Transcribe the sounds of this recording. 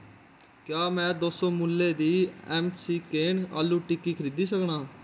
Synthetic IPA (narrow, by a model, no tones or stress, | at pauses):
kjaːmɛ̃ːd̪oːsõːmulːeːd̪iːɛːmsiːkeːɳa̰ːlːuːʈɪkːiːkʰəɾiːd̪iːsəkɳaː